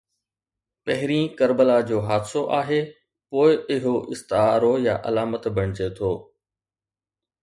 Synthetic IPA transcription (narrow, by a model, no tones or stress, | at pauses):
pɐɦɪɾĩːkɐɾbəlad͡ʑoːɦaːd̪soʔaːɦeː | poːɪɪɦoʔɪst̪aːɾojaʔɐ̰laːmət̪bɐɽ̃ɪt͡ɕet̪ʰoː